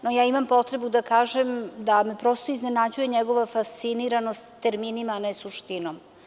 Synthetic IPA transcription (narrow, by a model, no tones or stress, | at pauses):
nojaːimampo̞t̪ɾe̞bud̪akaːʒemd̪ame̞pɾo̞st̪o̞izne̞nad͡ʑuje̞ɲeɡo̞ʋafast̪siniɾano̞st̪t̪t̪eɾminimanesuʃt̪inom